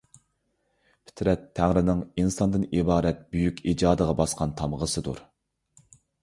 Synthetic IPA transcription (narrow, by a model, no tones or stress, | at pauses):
pʰɪ̥t̪ʰɾɛt̪ʰːæŋɾɪnɪŋinsɑnd̪ɨnibɑːɾɛt̪̚byjykʲid͡ʒɑːd̪əʁɑbɑsqʰɑnt̪ʰɑmʁəsɨd̪ṵɾ